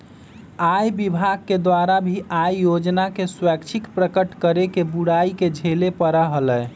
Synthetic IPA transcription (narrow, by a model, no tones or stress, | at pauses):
ajbibʱaɡ̚ked̪waɾabʱiʔajjod͡ʒnakeswɛkt͡ʃʰikpɾəkəʈkəɾekebuɽaiked͡ʒʱelepəɾəɦələj